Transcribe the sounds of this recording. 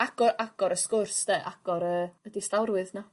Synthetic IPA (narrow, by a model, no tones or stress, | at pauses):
aɡ̥ɔɾʔaɡ̥ɔɾəskʊrsdeʔaɡ̥ɔɾəədɪstawrwɨðna